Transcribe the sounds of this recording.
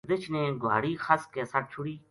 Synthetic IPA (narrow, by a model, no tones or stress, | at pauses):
d̪ɪt͡ʃʰnẽːɡa̰ːɽiːxʰəskeːsəʈ̚t͡ʃʰʊɽiː